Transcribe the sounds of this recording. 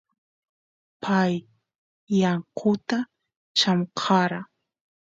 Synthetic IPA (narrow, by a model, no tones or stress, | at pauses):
pʰajː | ɑɴqʰʊt̪a | t͡ʃamqʰɑɾa